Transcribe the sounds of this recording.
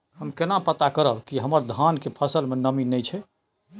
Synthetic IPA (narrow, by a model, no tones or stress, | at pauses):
həmkenapət̪akəɾəbkiɦəməɾd̪ʱankepʰəsəlmenəminɛjt͡ʃʰɛ